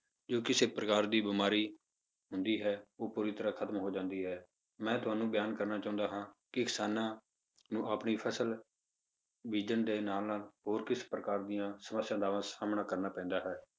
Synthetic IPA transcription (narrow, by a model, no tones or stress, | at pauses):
d͡ʒoːkɪseːpɾəkaːɾd̪iːbɪmaːɾiː | ɦʊnd̪iːɦɛːoːpuːɾɪiːt̪əɾãːkʰət̪əmɦoːd͡ʒãːnd̪iːɦɛː | mɛ̃ːt̪ʊɦaːnũːbɪjaːnkəɾnaːt͡ʃaːʊ̃nd̪aːɦãːkɪkɪsaːnãː | nũːaːpniːpʰəsəl | ʋiːd͡ʒənd̪eːnaːlnaːlɦoːɾkɪspɾəkaːɾd̪ɪjãːsəməsːjãːd̪aːʋãːsaːmnaːkəɾnaːpɛ̃ːnd̪aːɦɛː